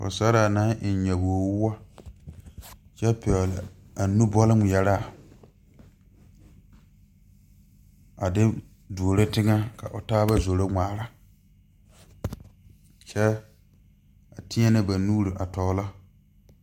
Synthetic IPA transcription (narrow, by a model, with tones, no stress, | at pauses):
kʊ̰˨sa˦ɾa˨na˦ʔɪ˨n˨ɲɛ˨bo˨o˨wʊ˦wa˦ | t͡ʃɛ˦pɪ˨ɔ˨la˨ | a˨nu˦bɔ˦lɪ˦m˨jɛ˨ɾa˦˨ | a˨dɪ˦ | du˨o˨ɾe˦tɪ˦ŋa˦ka˨ʔʊ˨taː˦ba˦zo˨ɾo˦ŋʷaː˨ɾa˦ | t͡ʃɛ˦ | a˨ti˦ɛ˦nɪ˦ba˨nuː˦ɾi˨ʔa˨tɔː˨la˦